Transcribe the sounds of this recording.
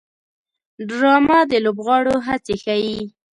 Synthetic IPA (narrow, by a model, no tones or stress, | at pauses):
ɖɾɑmad̪əlobɣɑɽoɦat͡sexaji